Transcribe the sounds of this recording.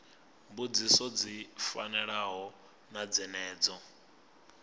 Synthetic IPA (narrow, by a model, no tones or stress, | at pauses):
mbud͡zisɔd͡zifa̰nɛɺaɦɔ | nad͡zɛnɛːd͡zɔ